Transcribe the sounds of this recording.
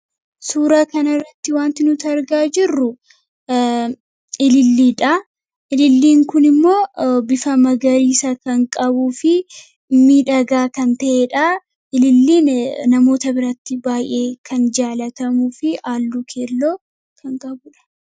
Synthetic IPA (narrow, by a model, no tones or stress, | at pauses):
suːɾɐkɐnɐrːɐt̪ːɪwaːnt̪ɪnʊt̪ɐɾɡaːd͡ʒɪrːʊ | ɪlɪlːiːᶑɐ | ʔɪlɪlːiːŋkʊnɪmːo̞ːbɪfɐmɐɡɐɾiːsɐkɐŋkʼɐbuːfɪ | mːiːᶑɐɡaːkɐnt̪ɐʔeᶑɐ | ɪlɪlːiːnnɐmo̞ːt̪ɐbɪɾɐt̪ːɪbaːjʔeːkʰɐnd͡ʒaːlɐt̪ɐmuːfɪaːlːuːkʰeːlːo̞ː | kʰɐŋkʼɐbʊᶑɐ̥